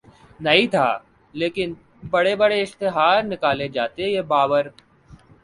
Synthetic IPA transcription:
nɐit̪ʰa̰ː | leːkɪn | bɐɽebəɽeɪʃt̪ɪɦaːɾnɪkaːled͡ʒaːt̪ejeːbaːʋəɾ

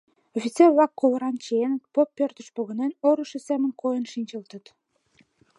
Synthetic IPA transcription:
ofʲit͡serβlɑkːoləɾɑnt͡ɕeenət̪̚popːørt̪ə̥ʃpoɣənenoɾuʃəsæmənkojənʃinʲt͡ɕəlt̪ət̪

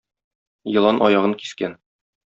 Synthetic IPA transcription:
jɤ̆lˠɑnʔɒ̰jɑʁɤŋki̥skæn

